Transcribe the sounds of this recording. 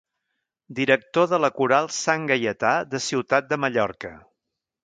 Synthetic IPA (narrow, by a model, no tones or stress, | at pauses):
d̪iɾək̚t̪oðələkuɾalˠsaŋɡəjət̪aðəsiwt̪at̪̚d̪əməʎɔɾkə